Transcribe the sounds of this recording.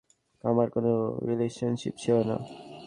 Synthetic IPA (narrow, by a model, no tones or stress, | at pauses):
amaɾkonoɾileʃonʃḭpt͡ɕʰeona̰